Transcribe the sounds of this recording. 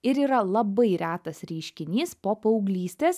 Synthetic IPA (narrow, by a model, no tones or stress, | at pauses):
ɪɾiːɾɐlˠɐbɐɪɾʲæːt̪ɐsɾʲɛɪʃʲkʲɪnʲiːspoːpɐʊɡlʲiːsʲt̪ʲeːs